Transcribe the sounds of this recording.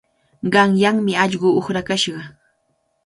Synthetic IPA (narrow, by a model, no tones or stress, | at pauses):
ɢɑŋjaŋmɪɑʎɢʊːχɾakaʃɢɑ